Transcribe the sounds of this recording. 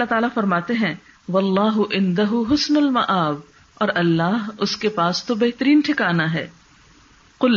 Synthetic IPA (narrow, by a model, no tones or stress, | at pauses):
ɐlːaɦt̪aːlafɐɾmaːt̪eɦɛ̃ | ʋɐlːɑːɦʊʔɪ̃nd̪ɐɦʊɦʊsnʊlmɐʔaːb | ɔːɾʔɐlːaːɦʊskepaːst̪obɛɦt̪əɾiːnʈʰɪkaːnaɦɛ̰ː | qʊl